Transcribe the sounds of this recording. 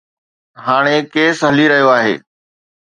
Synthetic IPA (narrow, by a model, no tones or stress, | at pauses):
ɦaːɽ̃ekeːsɦɐliɾɐɦijoaːɦḛː